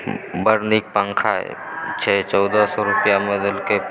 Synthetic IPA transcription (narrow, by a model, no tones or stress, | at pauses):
bəɾnik̚pãŋkʰaɦɛ̰ | t͡ʃʰɛːt͡ʃɔːd̪asɔɾʊpjamed̪əlke